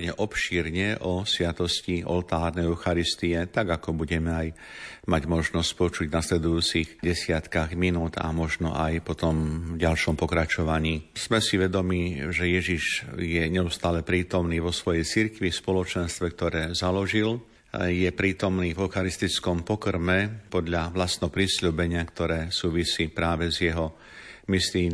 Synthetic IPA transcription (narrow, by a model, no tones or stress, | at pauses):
ɲɛʔɔpʃiːɾɲɛʔɔsʋɪat̪ɔsciɔ̰lt̪aːɾnɛɛʊxaɾist̪iɛt̪aɡakɔbuɟɛmɛajmaɟmɔʒnɔsc̚pɔt͡ʃuɟnaslɛd̪ujuːt͡sixɟɛsɪat̪kaɣminuːd̪a̰mɔʒnɔ̰ʔajpɔt̪ɔmvɟalʃɔmpɔkɾat͡ʃɔʋaɲiːz̥mɛsiʋɛd̪ɔmiːʒɛjɛʒiʒjɛɲɛust̪aːlɛpɾiːt̪ɔmniːʋɔsʋɔjɛjt͡siɾkʋifspɔlɔt͡ʃɛnst̪ʋɛk̚t̪ɔɾɛːzalɔʒil | jɛpɾiːt̪ɔmniːvɛʊxaɾist̪it͡skɔmpɔkɾ̩mɛpɔd̪ʎaʋlast̪ɛɦɔpɾisʎuːbɛɲɪakt̪ɔɾɛːsuːʋisiːpɾaːʋɛzjɛɦɔ | misliː